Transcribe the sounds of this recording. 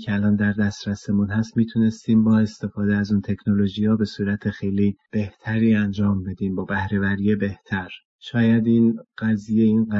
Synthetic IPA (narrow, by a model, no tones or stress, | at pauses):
cʰeælɒːnd̪æɾd̪æst̪ɾæsemunɦæst̪miːt̪ʰune̞st̪iːmbɒːe̞st̪e̞fɒːd̪eæzuːnt̪ʰe̞cʰno̞lo̞ʒijɒːbe̞suːɾæt̪ʰe̞xe̞jliːb̥e̞ht̪ʰæɾiːænd͡ʒɒːmbe̞d̪iːmbɒːbæhɾe̞væɾiːjebe̞ht̪ʰæɾ | ʃɒːjæd̪inɢ̥æzijeinɡ